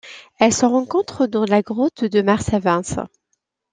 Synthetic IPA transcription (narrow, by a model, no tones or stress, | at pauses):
ɛlsəʁɑ̃kɔ̃t̪χəd̪ɑ̃laɡʁot̪d̪əmaʁsavɛ̃s